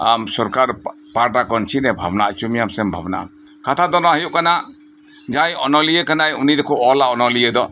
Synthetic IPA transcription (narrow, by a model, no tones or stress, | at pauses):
amsɔɾkaɾ | paɾʈakɔnt͡ʃʰinɛbʱabna̰ʔt͡ʃumijamsɛmbʱa̰bna̰ʔa̰ | kat̪ʰad̪ɔnɔahijuʔkana | d͡ʒajɔnɔlijɛkanajunid̪ɔkɔɔlaɔnɔlijɛd̪ɔ